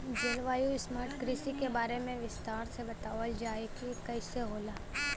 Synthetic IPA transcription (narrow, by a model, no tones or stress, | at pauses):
d͡ʒɐlʋaːjusmaːɾʈkɾisikebaːɾemẽʋɪst̪aːɾsebɐt̪aːʋəld͡ʒaːekikɐɪseɦoːlaː